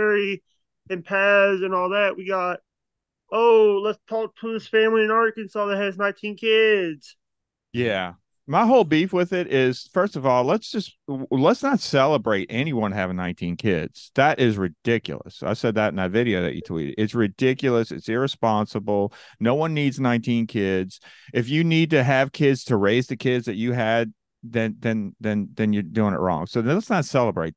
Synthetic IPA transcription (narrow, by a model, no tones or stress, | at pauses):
ɛɹi | ɨ̃mpʰæzɨ̃nɔlˠðæʔ̚wiɡɑt̚ | oʊlətstʰɔk̚tʰuɪz̥fæ̃mliɨ̃nɑɹkɨ̃nsɔlˠðɨɨznãɪ̃ntʰĩnkʰɪdz̥ | jæ | maɪɦoʊlˠbifwɪðɪɾɪz̥fɜ˞stʌvɔlˠlətsd̥ʒ̥ʌstlətsnətsɛlˠəbɹeɪɾʔɛñiwʌ̃nɨvnãɪ̃ntʰĩnkʰɪdz̥ðəɾʔɪzɹɨdɪkjl̩ˠə̰sa̰ɪsɛd̪̚ðɨɾ̃n̩maɪvɪɾioʊðɨ̰t͡ʃɨ̰tʰw̥ḭɾɨ̰ɪtsɹɨdɪkjl̩ˠəsɨ̰tsɪɹɨspɑ̃nsəbl̩ˠnoʊwʌ̃nːidznãɪ̃ntʰĩnkʰɪdz̥ɨfjɨnid̚tɨːv̥kʰɪdz̥tʰɨɹeɪzðɨkʰɪdzðɨt͡ʃɨɨd̪̚ | ðɨ̃nðɨ̃nðɨ̃nðɨ̃njə˞dʉɪ̃ŋɨ̰ʔ̚ɹɔ̰̃ŋsoʊətsnətsɛlˠəbɹeɪt̪̚